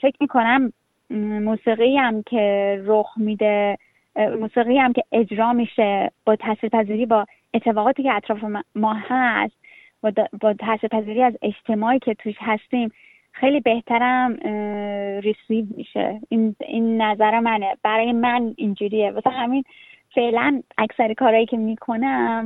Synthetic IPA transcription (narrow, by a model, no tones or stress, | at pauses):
fe̞cʰʲmiːkʰo̞næmː | uːsiːɣijæmcʰeɾoxmid̪e | muːsiːɣiːjæmcʰe̞ʔed͡ʒɾɒːmiʃe̞b̥ɒːt̪ʰæsiɾpʰæziːɾiːbɒː | e̞t̪ʰːe̞fɒːɣɒːt̪iːceæt̪ʰɾɒːfemɒːhæst̪̚ | b̪bɒːt̪ʰæsiɾpʰæziːɾiːæze̞d͡ʒt̪ʰe̞mɒːiːcʰe̞t̪ʰuʃhæst̪iːm | xejlibe̞ht̪ʰæɾæm | ɾisiːvmḭʃḛininːæzæɾemæneb̥æɾɒːjemænind͡ʒuːɾijemæsænhæminfe̞ʔlænʔæcsæɾikʰɒːɾɒːjiːcʰe̞miːkʰo̞næm